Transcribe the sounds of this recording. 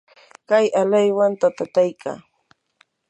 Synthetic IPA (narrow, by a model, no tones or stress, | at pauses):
kajalajwant̪at̪at̪ajkʰa̰ː